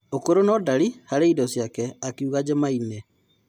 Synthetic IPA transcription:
okoɾonɔdaɾihaɾeidɔsjakɛakiuɣad͡ʑemainɛ

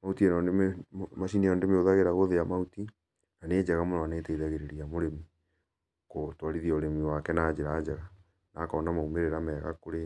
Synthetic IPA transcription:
mautienemaʃinijɔndemeoðaɣeɾaɣoðeamauti | naneːd͡ʒɛɣamonɔaneːteiðaɣeɾeɾiamoɾemi | kotwaɾiðiɔoɾemiwakɛnaːd͡ʒeɾaːd͡ʒɛɣa | naːkɔːnamaumeɾeɾamɛːɣa̰koɾe

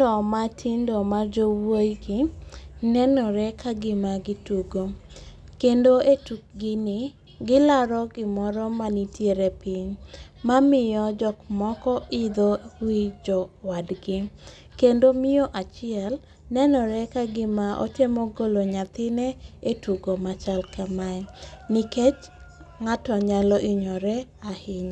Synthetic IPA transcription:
ɔmatʰɪndɔmard͡ʒowojɡɪnɛnɔɾɛkaɡɪmaɡɪtuɡo | kendoetuk̚ɡɪnɪ | ɡɪlaɾɔɡɪmɔɾɔmanitʰjeɾɛpiɲmamɪjɔd͡ʒɔkmɔkɔʔɪd̪owid͡ʒɔwadɡɪ | kendomɪjɔʔat͡ʃɪɛl | nɛnɔɾɛkaɡɪmaʔo̰temɔɡoloɲat̪ɪnɛetuɡomat͡ʃalkamaɛnɪket͡ʃ | ŋatɔɲalɔʔɪɲɔɾɛahɪɲ

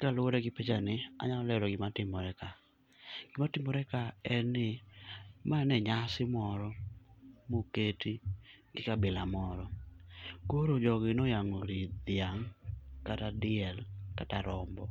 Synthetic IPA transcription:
kalʊoɾɛɡɪpet͡ʃanɪa̰ɲaɔlɛɾɔɡɪmatɪmɔɾɛka | ɡ̥ɪmatɪmɔɾɛkaɛnɪ | maɛnɛɲasɪmɔɾɔ | moketiɡɪkabɪlamɔɾɔ | koɾod͡ʒɔɡɪnojaŋoɾid̪ɪaŋkatadɪɛlkataɾɔmbɔ

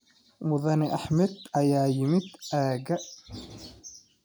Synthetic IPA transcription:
mʊðɐnɛʔɐħmɛd̪ɐjaːjɪmɪd̪ʔaːɣɐ

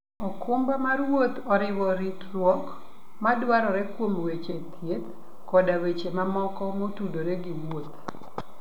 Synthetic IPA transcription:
okʊmbamarwot̪ɔɾɪwɔɾit̪rwɔk | madwaɾɔɾɛkwomwet͡ʃet̪ʰjet̪ | kɔdawet͡ʃemamɔkɔmotudoɾeɡɪwot̪

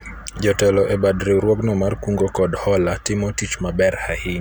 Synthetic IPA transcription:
d͡ʒɔtɛlɔʔɛbadɾiuɾwɔɡnɔmarkuŋɡɔkɔdhɔlatɪmɔtit͡ʃmabɛɾhahɪɲ

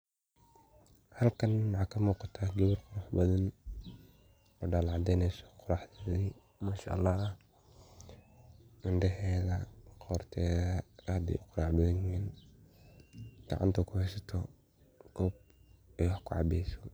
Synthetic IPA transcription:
hɐlkʰɐnwɑʕɑkʰɐmuːqɑt̪ʰaːɡɛβʊrqʊɾɑħbɐðɐn | ʔɔɖaːlʕɑd̪ɛjnɛjsɔ̥qʊɾɑħðɐði | maːʃa̰ʔlːɑː | ɪnɖɛɦɛːðɐqʰɔrt̪ʰɛːðɐaːd̪ɛ̰ʔʊqʊɾɑːʕbɐðɐŋɪn | ɡ̥ɑ̰ʕa̰nt̪ʰɐkʰʊhɛjsɐt̪ʰɔ | kʰɔːb̚ɛkʰʊʕɑ̰bɛjsɔ̥

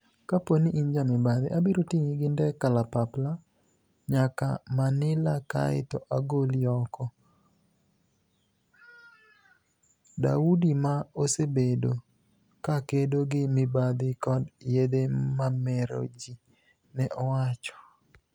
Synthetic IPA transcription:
kaponiʔind͡ʒamɪbad̪ɪ̰ʔabiɾotiŋiɡɪndɛkalapapla | ɲaka̰manɪlaka̰ɪ̰tɔʔaɡoliɔkɔ | da̰udimaosebedo | kakedoɡɪmɪbad̪ɪkɔdjed̪emamɛɾo̰d͡ʒi | nɛʔɔwat͡ʃɔ̥

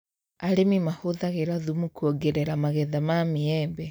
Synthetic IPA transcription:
aɾemimahoðaɣeɾaðumukuɔɡɛɾɛɾamaɣɛðamamiɛbɛ

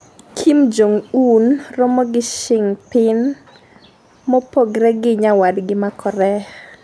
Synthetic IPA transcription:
kʰimd͡ʒoŋunrɔmɔɡɪʃɪŋpɪn | mɔpoɡɾɛɡɪɲawadɡɪmakʰɔɾɛ

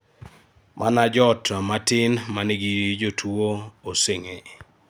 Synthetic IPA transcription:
mʔanad͡ʒɔtamatɪnmanɪɡiɾid͡ʒotʰuooseŋe

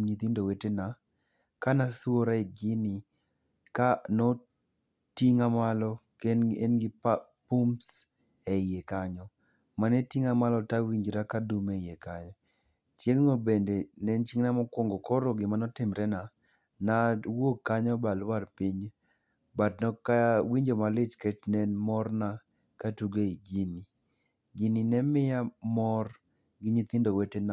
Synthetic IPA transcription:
ɲit̪indowetena | kanasuoɾaɛɡɪnɪ | kanɔ | tiŋamalɔkeenɡɪp | pums | ɛɪjekaɲɔ | manetiŋamalɔtawiɲd͡ʒɾakadumejekaɲɔ | t͡ʃjeŋŋobendenɛnt͡ʃiŋnamɔkwoŋɡokɔɾoɡɪmanɔtɪmɾɛna | nawokːaɲɔbalwarpɪɲ | batnɔkawiɲd͡ʒomalɪt͡ʃkɛt͡ʃnɛnmɔrna | katuɡeiɡini | ɡininɛmɪjamɔr | ɡɪɲɪt̪ɪndowetena

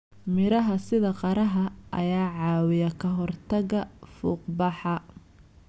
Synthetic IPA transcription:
mɪɾɐɦɐsɪðɐqɑɾɐɦɐʔɐ̰jaːʕɑːwɪjɐkʰɐɦɔrt̪ʰɐɣɐfuːqbɑħɑ

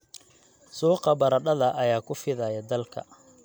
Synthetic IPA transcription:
suːqɑbɐɾɐɗɐðɐʔɐjaːkʰʊfɪðɐjɐd̪ɐlkʰɐ̰

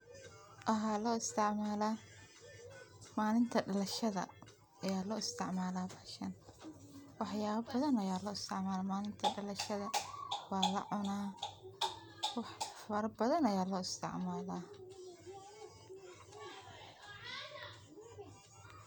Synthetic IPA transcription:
ʔɐɦaːlɔːɪst̪ʰɪʕmaːlaː | maːlɪnt̪ʰɐɖɐlɐʃɐðɐ̰ | ɐjaːlɔːɪst̪ʰɪ̰ʕmaːlaːbɐʃɐn | wɑħjaːβɐbɐðɐnɐjaːlɔːɪst̪ʰɪʕmaːlaːmaːlɪnt̪ʰɐɖɐlɐʃɐðɐwɑːlɐ̰ʕʊnaː | wɑħfɐɾɐbɐðɐnɐjaːlɔːɪst̪ʰɪ̰ʕmaːlaː

